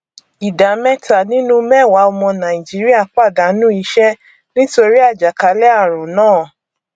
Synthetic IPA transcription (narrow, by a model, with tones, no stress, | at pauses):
i˨da˨mɛ˦ta˨nĩ˦nũ˦mɛ˦˨wa˨˦ɔ˧mɔ̃˧nã˨i˨d͡ʒi˨˦ɾi˦a˦˨k͡pa˦˨da˨˦nũ˦i˧˦ʃɛ˦ | nĩ˦to˧ɾi˦a˦˨d͡ʒa˨ka˨˦lɛ˦a˦˨ɾ̃ũ˨nãː˦˨